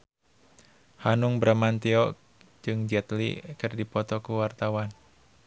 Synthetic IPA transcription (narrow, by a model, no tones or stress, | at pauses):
hanuŋbɾamant̪iɔ | d͡ʒɨŋd͡ʒɛt̪lḭkɨrdipɔt̪ɔkuwart̪awan